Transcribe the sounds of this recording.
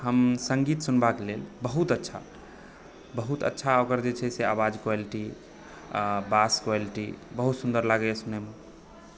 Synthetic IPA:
ɦəmsəŋɡit̪sunbakelelbəɦut̪ətːʃʰa̰ | bəɦut̪ə̰tːʃʰaokəɾd͡ʒet͡ʃʰɛseaβad͡ʒkwaliʈi | baskwaliʈibəɦut̪sund̪əɾlaɡɛesuneme

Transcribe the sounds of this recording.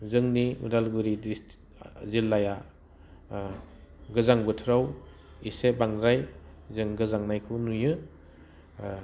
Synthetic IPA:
zɯŋniṵdalɡɯɾidi | zilːaja | ɡɯzaŋbɯtʰɾaw | isebaŋɾaj | zɯŋɡɯzaŋnajkʰunujɯ

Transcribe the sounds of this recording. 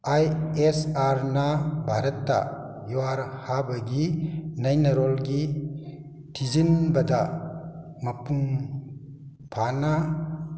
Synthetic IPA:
ajesaɾnabʱaɾɐt̪ːa̰ | juwaɾhabɐɡinɐjnɐɾɔlɡi | tʰizinbɐd̪a | mɐpuŋ | pʰana

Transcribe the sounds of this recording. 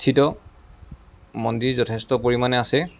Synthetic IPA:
tʰitɔ | mɔndiɹzɔtʰɛstɔpoɹimanɛasɛ

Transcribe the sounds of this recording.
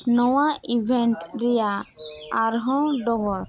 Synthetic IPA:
nɔwaʔibʱɛnʈɾɛjaː | ɾɦɔ̃ɖɔbɔɾ

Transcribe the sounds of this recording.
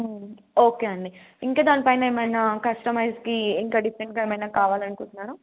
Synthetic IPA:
oːkeːɐɳɖi | iŋkɐːd̪aːnipɐjnaeːmɐjnaːkɐsʈɐmɐjzkiiŋkɐɖifɾeɳʈ̚ɡaːemɐjnaːkaːʋaːlɐnkuɳʈunːaːɾu

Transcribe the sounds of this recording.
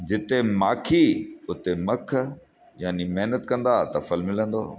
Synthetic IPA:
d͡ʑɪt̪emaːkʰiʊt̪emɐkʰ | jaːnimeɦnət̪kɐ̃nd̪at̪ɐfɐlmɪlə̃nd̪oː

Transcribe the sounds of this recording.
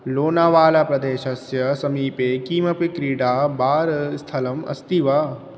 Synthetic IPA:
loːnaːʋaːlapɾɐd̪eːʃɐsjɐsɐmiːpekiːmɐpikɾiːɽaːbaːɾst̪ʰɐlɐmɐ̰st̪iʋaː

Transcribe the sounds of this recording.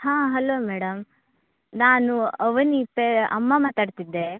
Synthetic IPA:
hãːɦɐloːmɛːɽɐm | naːnuɐʋɐnipːeɐmːamaːt̪aːɖt̪id̪ːe

